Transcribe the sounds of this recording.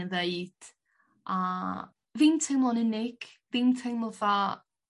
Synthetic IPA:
nðeɨd̥ | a | vimtʰejmlˠɔnɪnɪɡ̥viːmtʰejməva

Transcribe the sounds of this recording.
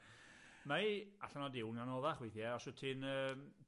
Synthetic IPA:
maiaɬanɔdɪwnanoːðaχwejθjɛɔsətʰɪnəːm

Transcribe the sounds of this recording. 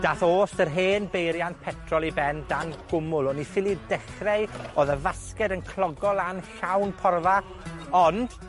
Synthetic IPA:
d̥aːθoːstərɦeːnbejɾjantpʰɛtʰrɔlˠibɛndanɡ̥ʊmʊlˠɔnːifɪlˠidɛχreɨoðəvaskɛdənkʰlˠɔɡɔlˠanɬawnpʰɔrva | ɔnd̥

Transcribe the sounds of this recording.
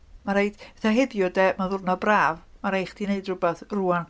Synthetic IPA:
maɾeɨd̥ɛθaɦɛbjʊdɛmaðʊrnɔbraːvmaɾejχd̥ineɨdrʊbɛθruːan

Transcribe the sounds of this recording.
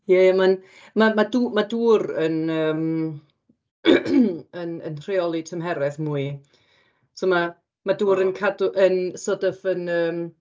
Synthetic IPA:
jɛaman | mamaduːmaduːɾənəːm | ənə̰nr̥eɔlˠitʰəmɦɛɾɛθmuːɨ | sɔma | maduːɾənkʰadʊʔənsɔdəfənəːm

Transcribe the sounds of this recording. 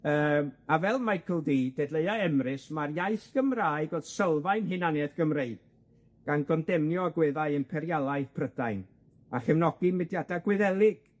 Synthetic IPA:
əːmavɛlˠmajkʰəlˠdidɛdleɨaɛmrɪsmarjajθɡ̥əmraːɨɡod̥səlˠvajnɦɨnanɛðɡ̥əmreɨd̥̚ | ɡ̥anɡɔndɛmnjɔaɡwɛðaɨənpʰɛɾjalˠaɨðpʰrəd̥ajn | aχɛvnɔɡ̥imɛdjadaɡwɪðɛlˠɪɡ̥

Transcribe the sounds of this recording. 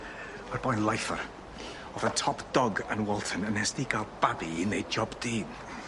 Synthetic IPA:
marb̥ɔjnlˠajfar | ɔvətʰɔpʰd̥ɔɡənwɛlˠtʰənənɛsd̥iːɡalˠb̥abinejd͡ʒɔbdiː

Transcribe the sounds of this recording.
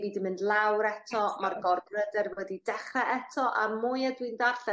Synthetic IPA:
viːdɨmɪndlˠawɾɛtʰɔmarɡɔrɡrədɛrvwɛdidɛχrɛʔɛtʰɔʔa̰mʊjadwɨndaɬɛ

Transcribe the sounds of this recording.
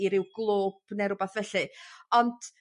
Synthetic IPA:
iɾɪwɡlˠoːb̥nɛɾʊbaθvɛɬɨɔnd̥

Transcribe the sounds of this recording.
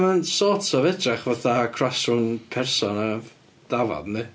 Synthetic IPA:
mansɔːtʰɔvɛtʰraχvaθakʰr̥asunpʰɛrsɔnə | d̥avɔ̰dnɨ

